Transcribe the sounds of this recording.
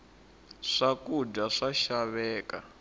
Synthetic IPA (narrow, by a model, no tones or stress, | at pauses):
ʂakudaʂaʃaβɛːka̰